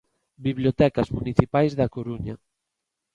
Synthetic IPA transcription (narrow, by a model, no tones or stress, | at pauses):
biβljot̪ɛkazmuniθipajzðakoɾuɲa